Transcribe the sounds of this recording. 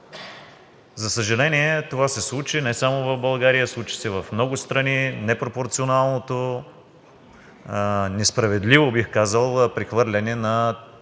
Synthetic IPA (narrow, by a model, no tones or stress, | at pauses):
zɐsəʒɛlɛniɛt̪ovasɛslˠut͡ʃinɛsamovɐvbɐlˠɡaɾijəslˠut͡ʃi̥sɛvɐfmnɔɡʊst̪ɾɐninɛpɾopoɾt̪sionalˠnot̪o | nɛspɾɐvɛd̪livobixkazəlˠpɾixvɤɾlʲɐnɛnɐ